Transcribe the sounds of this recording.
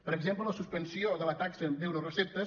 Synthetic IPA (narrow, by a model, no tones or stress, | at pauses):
pəɾəɡzemplələsuspənsioðələt̪aksəbewɾorəsep̚t̪əs